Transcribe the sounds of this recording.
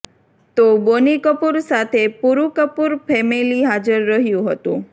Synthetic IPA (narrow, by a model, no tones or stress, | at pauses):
t̪obonikəpuɾsat̪ʰepuɾukəpuɾfʰɛmiliɦad͡ʒəɾːəɦjũɦət̪ũ